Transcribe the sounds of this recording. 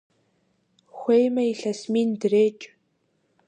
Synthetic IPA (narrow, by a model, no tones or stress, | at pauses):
xʷejmɐiɬɐsmiːndɨreːt͡ʃʼ